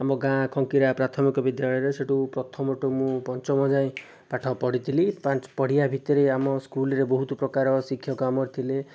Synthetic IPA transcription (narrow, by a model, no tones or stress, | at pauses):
amɔɡãkʰɔŋkiɾapɾat̪ʰɔmikɔbid̪jaɭɔjɾeseʈupɾɔt̪ʰɔmɔʈumũpɔnt͡ʃɔmɔd͡ʒaĩ | paʈʰɔpɔɽit̪ʰilipãt͡ʃpɔɽijabʱit̪ɔɾeamɔskulɾebɔɦut̪ɔpɾɔkaɾɔsikʰjɔkamɔɾt̪ʰile